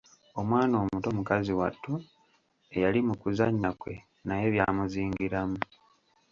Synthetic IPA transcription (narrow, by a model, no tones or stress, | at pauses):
o̞mwaːno̞ːmuto̞mukaziwa̰tʰːu | e̞jalimukuzaɲːakwe̞̰ | naje̞βjaːmuziːŋɡiɾamu